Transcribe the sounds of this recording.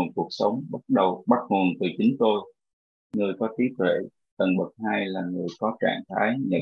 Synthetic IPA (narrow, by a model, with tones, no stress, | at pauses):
o˨˩t̚ku˨˩ək̚sə˨˦wŋ͡mɓa˦˥t̚ɗə˨˩wɓa˦˥t̚ŋo˨˩ənt̪ɨ˨˩t͡ɕi˨˦ŋ̟t̪o˧j | ŋɨ˨˩əjkɔ˨˦t̪i˨˦˥t̪̚wḛ˧˨ | t̪ə˨˩nɓə˨˩t̚haː˧jlaː˨˩ŋɨ˨˩əjkɔ˨˦t͡ɕa̰ː˧˨ŋt̪ʰaː˨˦jɲə̰˧˩